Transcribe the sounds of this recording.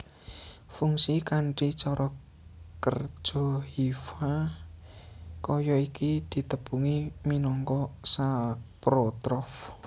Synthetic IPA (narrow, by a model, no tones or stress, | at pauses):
fuŋsikaɳʈit͡ʃɔɾʔɔ | kər̥ʒ̥ɔ̤ɦifa | kɔjɔikid̪̥i̤t̪əb̥uŋiminɔŋkɔsapɾot̪ɾɔf